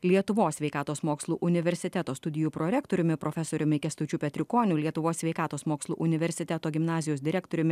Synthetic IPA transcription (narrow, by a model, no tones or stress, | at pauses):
lʲiɛt̪ʊʋoːsʲʋʲɛɪkɑːt̪oːsmoːkslˠṵːʔʊnʲɪʋʲɛɾʲsʲɪt̪ʲæt̪oːst̪ʊd̪ʲɪjuːpɾoɾʲɛkt̪oːɾʲʊmʲɪpɾoːfʲɛsoːɾʲʊmʲɪkʲɛst̪ʊːt͡ʃʲuːpʲɛt̪ʲɾʲɪkoːnʲuːlʲiɛt̪ʊʋoːsʲʋʲɛɪkɑːt̪oːsmoːkslˠuːʔʊnʲɪʋʲɛɾʲsʲɪt̪ʲɛt̪oːɡʲɪmnɑːzʲɪjoːsd̪ʲɪɾʲækt̪oːɾʲʊmʲɪ